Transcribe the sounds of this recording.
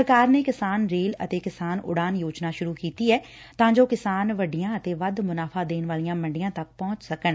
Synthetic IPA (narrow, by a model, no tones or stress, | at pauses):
ɾkaːɾneːkɪsaːnɾeːlə̰t̪eːkɪsaːnʊ̰ɽaːnjoːt͡ʃnaːʃʊɾuːkiːt̪iːɛː | t̪ãːd͡ʒoːkɪsaːnʋəɖɪjãːət̪eːʋəd̪mʊnaːpʰaːd̪eːnʋaːlijãːməɳɖɪjãːt̪ək̚pɔ̃ːɲt͡ʃsəkən